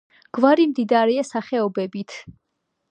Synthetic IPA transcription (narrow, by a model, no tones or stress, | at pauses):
ɡ̥vaɾimd̪id̪aɾɛasaχɛɔbɛbit̪ʰ